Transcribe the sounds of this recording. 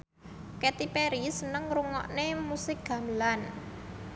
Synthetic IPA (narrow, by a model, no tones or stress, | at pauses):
kɛt̪ipeɾisənəŋɾuŋɔ̰ʔnemusɪk̚ɡ̥a̤məlan